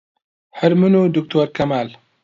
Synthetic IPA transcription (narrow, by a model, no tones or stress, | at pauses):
ħɨɾmɨnud̪ukt̪ʰoɾkʰɐmal